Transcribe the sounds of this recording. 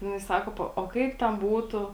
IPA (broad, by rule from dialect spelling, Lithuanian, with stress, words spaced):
ˈjɪnɐɪ ˈsɑːkoː ˈpoː oː ˈkɐɪp tʲɛn ˈbuːtʊ